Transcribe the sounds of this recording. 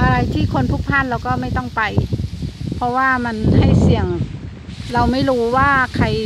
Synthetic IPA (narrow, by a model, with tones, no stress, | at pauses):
ʔa˧ɾa˧jt̪ʰiː˥˩kʰo˧nt̪ʰu˧˩k̚pʰaː˧˥˨nla˧˩wkɔː˥˩ma˥˩jt̪ɔ˥˩ŋpa˨˧j | pʰɔ˧waː˧˩ma˧nha˥˩jsi˨˩əŋ | la˧wma˥˩jɾuː˨˦˥waː˥˩kʰa˧˩j